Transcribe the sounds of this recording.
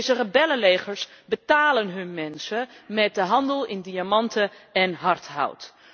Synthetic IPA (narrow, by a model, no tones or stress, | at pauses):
zərəbɛləlejχəɹsbətaːlənɦɵnmɛnsəmɛt̚dəɦɑndəlˠɪndiamɑntəɛnɦɑɹtɦa̰wt